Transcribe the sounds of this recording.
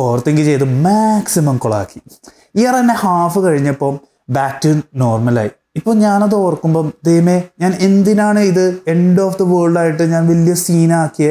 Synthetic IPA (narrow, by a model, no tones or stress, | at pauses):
oːrɐt̪ːeŋɡit͡ɕejt̪ɨmaksimɐmkoɭa̰ːkːi̥ | iɐrɐnːehaːfɨkɐɻiɲːɐpːo̞ː | baːtːɨno̞ːrmɐla̰ːji | ipːo̞ːɲaːnɐðoːrkːumbo̞ːɐd̪ejɐmeɲaːnend̪inaːɳɨiðɨe̞ɳɖoːfd̪ɐʋoːɭɖaːjiʈːɨɲaːnʋɐljɐsiːnaːkːijɐ